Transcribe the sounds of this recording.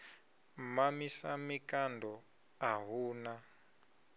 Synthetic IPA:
mamisamikandʱɔ | aɦuːna

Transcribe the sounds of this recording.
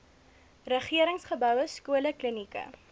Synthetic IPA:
rəχiəɾəŋsχəbœwəskuələklənikə̰

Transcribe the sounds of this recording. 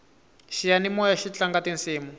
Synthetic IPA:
ʃijanimɔjaʃit͡ɬaŋɡatinsiːmu

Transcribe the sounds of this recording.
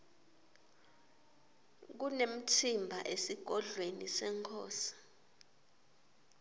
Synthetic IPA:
k̬unem̩tʰimbʱaʔesiɡ̥ʱɔɮwenisɛŋkʰɔːsi̥

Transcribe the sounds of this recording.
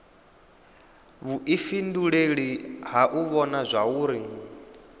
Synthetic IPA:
βuʔifinduɺeɺiɦaʔuβɔnazʷauːɾi

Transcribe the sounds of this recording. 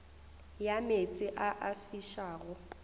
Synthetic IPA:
jamet͡sʼɪʔaʔafiʃaːɣʊ

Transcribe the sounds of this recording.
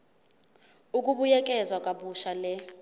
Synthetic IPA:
uk̬ʼuɓujɛk̬ʼɛzwakʼaɓuʃalɛ

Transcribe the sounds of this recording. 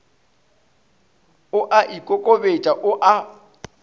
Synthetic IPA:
ʊʔaʔikʼokʼobet͡ʃʼaʔʊʔa

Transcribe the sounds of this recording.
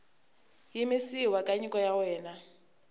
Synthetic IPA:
jimɪsiwakʼaɲikʼɔjawɛːna

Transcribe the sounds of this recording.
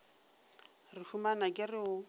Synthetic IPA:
rɪfumanakʼɪrɪʊ

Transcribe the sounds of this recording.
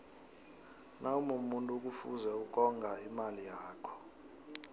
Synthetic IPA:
naumumuntʼuk̬ʼufuzɛuk̬ʼɔŋɡʱaimalijaːkʰɔ̥

